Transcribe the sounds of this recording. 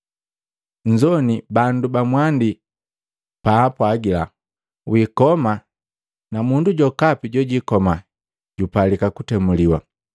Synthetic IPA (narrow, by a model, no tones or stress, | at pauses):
ɲd͡ʒɔnibandubamwandi | paːpwaɡila̰ | wikɔma | namunduɟɔkapiɟɔɟikɔma | ɟupalikakutɛmuliwa